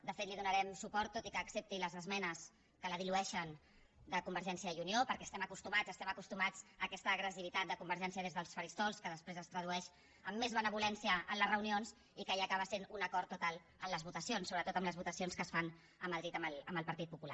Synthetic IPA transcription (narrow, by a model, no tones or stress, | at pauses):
d̪əfet̪liðunəɾɛmsupɔɾt̪ːot̪ikəːksep̚t̪iləzəzmɛnəs | kələðiluɛʃən | d̪əkumbəɾʒɛnsiəjuniopəɾkɛːst̪ɛməkust̪umad͡zəst̪ɛməkust̪umad͡zəːkɛst̪əːɣɾəsiβit̪at̪̚d̪əkumbəɾʒɛns̬iəðezðəlˠsfəɾist̪ɔlˠskəðəspɾezəst̪ɾəðuɛʃ | əmːezβənəβ̞ulɛnsiəːnləzrəunionsz | ikəaːkaβəsenunəkɔɾt̪ːut̪alˠ | əmləzβut̪əsionsːoβɾət̪ot̪əmləzβut̪əsionskəsfan | əməðɾit̪əmələmbəlpəɾt̪it̪̚pupula̰